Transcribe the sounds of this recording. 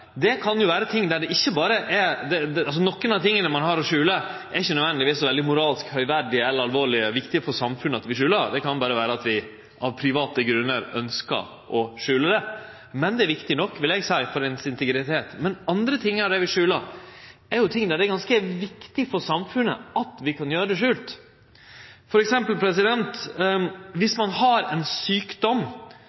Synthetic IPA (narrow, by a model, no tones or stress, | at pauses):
d̪ɛkʰɑnjʊʋæːɾət̪ʰɪŋːd̪æɖɛʔɪçːəbɑːɾəʔɛd̪ɛɛɑls̬ɔnɔkːənɑt̪ʰɪŋːənəmɑnɦɑɾɔʂʉːlə | æɾɪçːənœd̪ʋɛnlɪʋiːsɔʋɛld̪ɪmʊɾɑːlskhœʏʋæɖɪɛlːəɾɑlʋoːɭɪəʋɪkt̪ɪəfɔɾʂɑmfʉnːəɑt̪ʋɪʂʉːləɾd̪ɛkʰɑnbɑːɾəʋæːɾəɑt̪ʋɪ | ʔɑʋpʰɾɪʋɑːt̪əɡɾʉnːəɾœnskə̰ɾ | ʔɔʂʉːləɖ̪ɛ | mɛnd̪ɛæɾʋɪkt̪ɪnɔkːʋɪlɛɡsæɪfɔɾɛnsɪnt̪əɡɾɪt̪ʰeːt̪mɛnɑnd̪ɾət̪ʰɪŋːəɾɖɛʋɪʂʉːləɾɛɾjʊt̪ʰɪŋd̪æɖɛɡɑnskəʋɪkt̪ɪfɔɾʂɑmfʉnːə̰ɑt̪ʋɪkʰɑnjøːɾəd̪ɛʂʉːlt̪ | fɔɾɛksɛmpəlpʰɾɛsɪd̪ɛnt̪ | ʋɪsmɑnhɑɾɛnsyːkd̪ɔm